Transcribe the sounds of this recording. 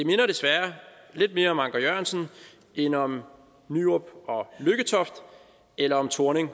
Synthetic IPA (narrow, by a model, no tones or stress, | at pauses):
d̥e̝me̝nɐɾ̥e̝sʋæɐ | le̝d̥me̝ːɐɒ̽mɑ̈ŋɡ̥ɐjøɐnsn̩ | enɒ̽m | nyob̥ɒ̽løɡ̥ət͡sʰɒ̽fd̥ | elɐɒ̽mt͡sʰo̝ɐne̝ŋ